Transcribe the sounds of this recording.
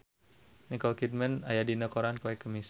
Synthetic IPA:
nikɔlkit̪̚mɛnajadinəkoɾankoɛkəmis

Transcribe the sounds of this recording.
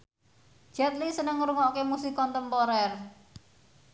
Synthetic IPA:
d͡ʒ̥ɛt̪lisənəŋuɾuŋɔkemusikɔnt̪əmpɔɾɛr

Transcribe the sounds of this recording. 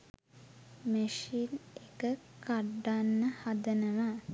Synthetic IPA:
məʃinekəkaɖːanːəhad̪ənəʋa

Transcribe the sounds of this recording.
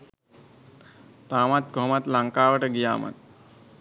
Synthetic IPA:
t̪aːmat̪̚ɡʱomat̪laŋkaːʋɐʈɐɡija̰ːma̰t̪̚

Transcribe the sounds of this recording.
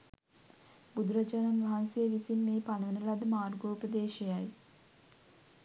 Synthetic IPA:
bud̪uɾad͡ʒaːnanʋaɦansijeʋisimːeːpanəʋənəlad̪əmaːrɡoːpəd̪eːʃejaj

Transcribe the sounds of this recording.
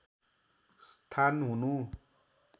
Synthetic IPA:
st̪ʰanɦunu

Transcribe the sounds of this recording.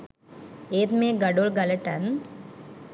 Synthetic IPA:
eːt̪meːɡɐɖolɡɐlɐʈɐn

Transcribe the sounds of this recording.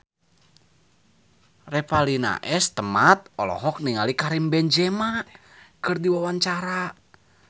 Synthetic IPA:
rɛpalina̰ʔɛst̪əmat̪̚ɔlɔ̰ɦɔk̚niŋalikaɾimbɛnd͡ʒɛma | kɨrdiwawaɲt͡ʃaɾa

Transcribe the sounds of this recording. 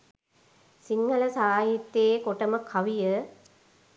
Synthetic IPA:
siŋɡɐlɐsaːjit̪ːeːkoʈɐmɐkʰːɐʋijə

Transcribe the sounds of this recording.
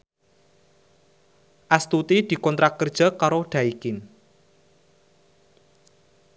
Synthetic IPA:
ʔast̪ut̪id̪̥i̤kɔnt̪ɾakːərd̥ʒ̥a̤kaɾoɖ̪̥a̤ikɪn

